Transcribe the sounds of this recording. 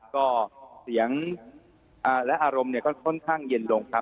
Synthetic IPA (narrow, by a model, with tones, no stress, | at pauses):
kɔː˥˩si˩˦əŋ | ʔaː˧˩lɛ˦˥ʔaː˧ɾo˧mni˥˩ɐkɔː˥˩kʰɔ˥˩nkʰaː˥˩ŋje˧nlo˧ŋkʰa˦˥